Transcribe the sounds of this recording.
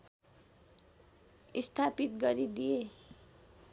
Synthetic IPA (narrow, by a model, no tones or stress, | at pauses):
ist̪ʰapit̪ɡʌɾid̪ije